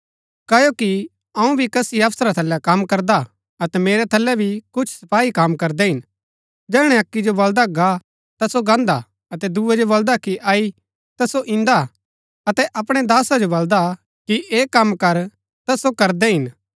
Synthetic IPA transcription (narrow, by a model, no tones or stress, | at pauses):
kɐjoki | ɐ̃ũbʱikɐsiɐfsɾat̪ʰɐlːɛkɐmkɐɾd̪a | ɐt̪ɛmeːɾɛt̪ʰɐlːɛbʱikʊt͡ʃʰsɐpaːikamkɐɾd̪ɛɦɪn | d͡ʒɛːɽ̃ɛɐkːid͡ʒobɐld̪aɡa | t̪asoɡãːnd̪a̰ | ɐt̪ɛd̪uɛd͡ʒobɐld̪akiʔaːi | t̪ɐsoʔɪ̃nd̪a | ɐt̪ɛʔɐpɽ̃ɛd̪aːsad͡ʒobɐld̪a | kiʔeːkɐmːkɐɾ | t̪ɐsokɐɾd̪ɛɦɪn